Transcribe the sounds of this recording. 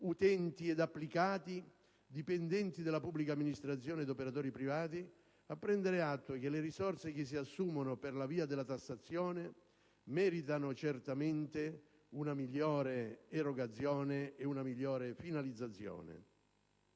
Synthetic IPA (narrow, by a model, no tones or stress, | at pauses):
ut̪ɛnt̪iɛd̪apːlikaːt̪i | d̪ipɛnd̪ɛnt̪id̪elːapubːlikamːinist̪ɾat̪sːjɔːned̪opeɾat̪ɔːɾipɾivaːt̪i | apːɾɛnd̪eɾeat̪ːwek̟eleɾisɔrsek̟ɪs̬ːiasːuːmonʊperlaviːad̪ɪlːat̪asːat̪sːjɔːne | mɛːɾit̪anʊt͡ʃert̪ament̪e | unamiʎːɔːɾeːroɡat̪sːjɔːneːunamiʎːɔːɾefinalid̪zat̪sːjɔ̰ːnḛ